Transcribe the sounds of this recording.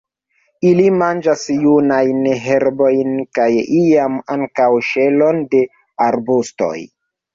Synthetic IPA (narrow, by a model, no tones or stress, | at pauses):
ilimand͡ʒasjunajnɦe̞ɾbo̞jnkajiamaŋkawʃe̞lo̞nde̞ | aɾbusto̞̰j